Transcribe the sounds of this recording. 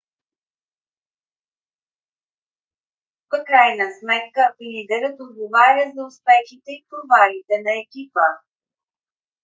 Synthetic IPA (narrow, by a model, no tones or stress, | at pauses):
pkɾajnəsmɛt̪̚kəlid̪ɛɾət̪od̪̚ɡovaɾʲəzɐʊspɛxit̪ɛit̪ovaɾit̪ɛnɐɛkʲipə